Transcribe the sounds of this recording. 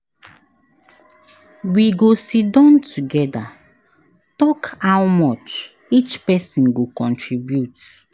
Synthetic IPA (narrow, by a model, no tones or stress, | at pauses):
wiɡosidɔ̃ntʰuɡɛda̰ | tɔkawmɔt͡ʃ | it͡ʃpɛsĩnɡokɔ̃ntɹibjut